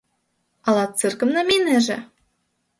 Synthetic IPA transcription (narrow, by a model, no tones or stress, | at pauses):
ɑlˠɑt̪̚t͡sɨrkɤ̆mnɑminɘ̆ʒɘ̰̆